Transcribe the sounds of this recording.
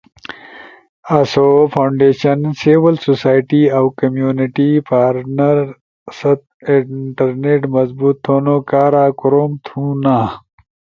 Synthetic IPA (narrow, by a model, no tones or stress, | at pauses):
ɐsofʰawɳɖeːɕɐnsiwɐlsosaːjʈiawkɐmjuːnɪʈipʰaːɾʈnɐɾ | sɐt̪̚ɪʈɐɾneʈmɐzbut̪ʰːoːnokaːɾaːkʊɾoːmt̪ʰũːnaː